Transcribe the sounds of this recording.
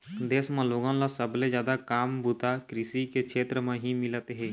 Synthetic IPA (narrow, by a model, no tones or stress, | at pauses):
d̪eːsmãloːɡãlasəblezjaːd̪akaːmbʱut̪akɾɪsikekʃʰeːt̪ɾəmẽɦimɪlət̪ɦɛ̃ː